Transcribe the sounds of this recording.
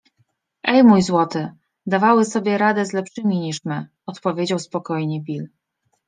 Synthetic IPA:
ʔɛjmujzwɔt̪ɘ | d̪avawɘsɔbʲjɛɾad̪ɛzlɛpʂɘmʲiɲiʂmɘ | ɔt̪pɔvʲjed͡ʑawspɔkɔjɲɛbʲil

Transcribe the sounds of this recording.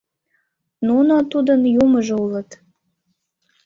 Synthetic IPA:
nunot̪ud̪ənjuməʒoulət̪

